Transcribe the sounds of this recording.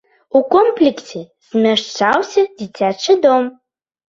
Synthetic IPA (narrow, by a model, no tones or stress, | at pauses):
ukomplʲiksʲe | z̥ʲmʲɐʂt͡ʂawsʲɐd͡zʲit͡sʲat͡ʂɨd̪om